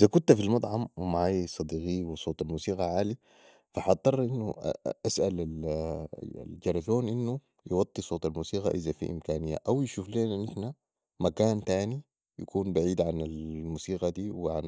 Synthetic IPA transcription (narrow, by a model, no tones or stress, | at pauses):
ʔizakunt̪afilmɑt̪ˤʕɑmwimaʕaːjisˤɑd̪iːɡiwisˤoːt̪ˤalmuːsiːɡɑʕaːli | faħɑt̪ˤːɑrˤʔinːuʔasʔalal̰ | ld͡ʒɑɾˤɑzoːnʔinːu | jwɑt̪ˤːisˤoːt̪ˤalmuːsiːɡaʔizafḭʔḭmkaːnijːa̰ʔawjiʃuːfleːnanʔiħna | makaːnt̪aːni | jakuːnbaʕiːd̪ʕanalmuːsiːɡad̪iːwiʕan